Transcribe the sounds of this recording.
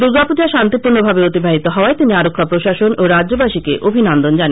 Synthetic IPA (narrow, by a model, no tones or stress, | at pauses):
d̪uɾɡapod͡ʑaʃant̪ipuɾnobʱabeot̪ibʱaɦit̪oɦɔoaet̪iniaɾokʰːapɾoʃaʃonoɾadʑobaʃikeʔobʱinand̪ond͡ʑane